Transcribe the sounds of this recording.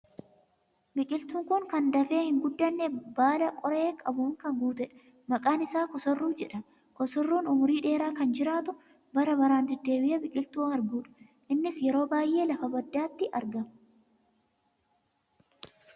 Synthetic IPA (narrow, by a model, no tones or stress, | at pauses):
bɪkʼɪlt̪uːŋkʊŋkɐnd̪ɐfe̞ːhɪŋɡʊd̪ːɐnːebaːlɐkʼɔɾeːkʼɐbʊːŋkɐŋɡuːt̪ɛᶑ | mɐkʼaːnɪsaːkɔsɔrːuːd͡ʒɛᶑɐn | kɔsɔrːuːnʊmʊɾiːᶑe̞ːɾaːkɐnd͡ʒɪɾaːt̪ʊ | bɐɾɐbɐɾaːnd̪ɛd̪ːe̞ːbɪʔɛbɪkʼɪlt̪uːnɐɾɡuːᶑɐ̥ | ʔɪnːɪsjɛɾo̞ːbaːjʔːe̞ːlɐfɐbɐd̪ːaːt̪ːɪʔɐɾɡɐm